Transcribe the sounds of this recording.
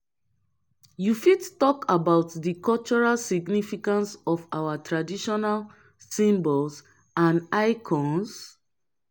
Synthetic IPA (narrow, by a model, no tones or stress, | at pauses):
jufidtɔkʰabaʊtðikʰɔlt͡ʃɔɹalsiɡnifikãnsɔfawatʰɹadiʃɔnal | sĩmbɔls | ãnajkʰɔ̃ns